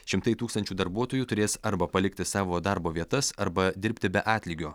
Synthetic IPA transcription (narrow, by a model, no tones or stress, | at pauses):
ʃʲɪmt̪ɐɪt̪uːkst̪ɐnʲt͡ʃʲuːd̪ɐɾbuɔt̪oːjuːt̪ʊɾʲeːsɐɾbɐpɐlʲɪk̚t̪ʲɪsɑːʋoːd̪ɑɾboːʋʲiɛt̪ɐsɐɾbɐd̪ʲɪɾʲpʲt̪ʲɪbʲɛʔɑːt̪ʲlʲiːɡʲoː